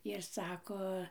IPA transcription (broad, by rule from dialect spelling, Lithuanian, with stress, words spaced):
ɪr ˈsɑːkoː